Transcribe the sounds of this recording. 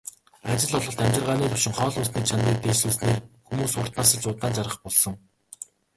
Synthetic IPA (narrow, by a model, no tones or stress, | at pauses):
at͡ɕɪ̆ɮɔɮʁɞ̆ɬt̪æmʲt͡ɕɪ̆rʁaːniːt̪ʊwʃɪ̆ŋχɔːɮʊːsniːt͡ɕʰaniːk̚t̪eːsuːsneːrxumuːsʊːr̥t̪naːsə̆ɮt͡ɕʊːt̪aːnt͡saɾʁə̆χpɔɮsɞ̆ŋ